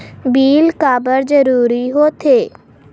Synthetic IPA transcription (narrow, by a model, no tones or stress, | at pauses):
biːlkaːbəɾd͡ʒəɾuːɾiɦoːt̪ʰeː